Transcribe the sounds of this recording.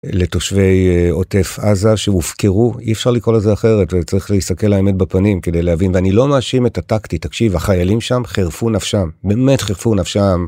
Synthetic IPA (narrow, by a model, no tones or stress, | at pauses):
le̞to̞ʃve̞jo̞te̞fazaʃemufke̞ʁuiefʃaʁlikʁo̞lalzeaχe̞ʁetvet͡saʁiχleistake̞laeme̞t̚bapanimke̞de̞jleavinveanilo̞maːʃimetataktitakʃivaχajalimʃamχeʁfunafʃambe̞ːme̞tχeʁfunafʃam